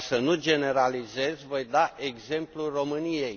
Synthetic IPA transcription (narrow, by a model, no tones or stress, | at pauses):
sənud͡ʒe̞ne̞ɾalize̞zʲvo̞jd̪aʔe̞ɡze̞mpluro̞mɨnijej